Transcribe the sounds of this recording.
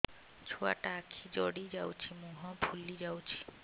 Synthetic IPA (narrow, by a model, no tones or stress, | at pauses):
t͡ʃʰua̰ʈaːkʰid͡ʒɔɽid͡ʒawt͡ʃʰimuɦɔ̃bʱulid͡ʒawt͡ʃʰi̥